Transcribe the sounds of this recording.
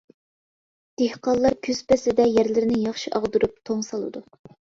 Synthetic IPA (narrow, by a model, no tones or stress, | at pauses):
d̪̥ehqɑlˠːɑɾkʲʰyz̥pɛsɪd̪ɛjæɾlɪɾɪnɪjɑχʃiʔɑʁd̪uɾup̚t̪ʰoŋsɑlˠɨd̪u